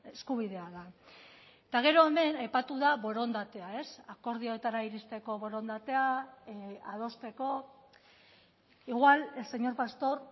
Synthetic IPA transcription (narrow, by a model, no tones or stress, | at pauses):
eskuβ̞iðe̞aða | t̪aɣ̞e̞ɾo̞eme̞najpat̪uðaβo̞ɾo̞nd̪at̪e̞ae̞sako̞ɾð̞io̞et̪aɾaiɾist̪e̞ko̞βo̞ɾo̞nd̪at̪e̞a | að̞o̞st̪e̞ko̞ | iɣwalese̞ɲo̞ɾpast̪o̞ɾ